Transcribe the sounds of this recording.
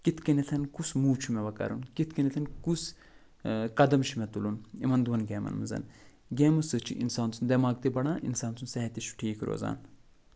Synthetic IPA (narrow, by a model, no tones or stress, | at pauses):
kit̪ʰkɐnit̪ʰɐnkusmuːt͡ʃʰumɛʋɐkɐ̰ɾunkit̪̚ʰkɐnit̪ʰɐnkus | kɐd̪ɐmt͡ʃʰimɛt̪ulunimɐnd̪uʋɐnɡʲeːmɐ̰nmɨzɐ̰n | ɡʲeːmɐsɨt͡ʃʰḭʔḭnsaːnt͡sʰund̪ɐmaːk̚t̪ibɐɳaːʔinsaːnt͡s̪ʰunsɐɦɐt̪iʃʰu̥ʈʰiːkɾo̰ːza̰ːn